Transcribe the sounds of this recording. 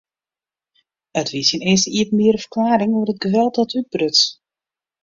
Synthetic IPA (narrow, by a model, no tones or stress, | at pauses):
ətʰʋisənɛːsəiətənmiəɾəfərklaːɾɪŋoərət̚ɡəʋɛlˠtdɔtʰyd̚brøt